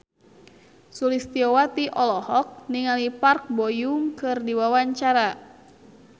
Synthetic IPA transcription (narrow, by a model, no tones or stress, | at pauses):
sulist̪iowat̪iʔɔlɔhɔk̚niŋalipark̚bɔjuŋkɨrdiwawaɲt͡ʃaɾa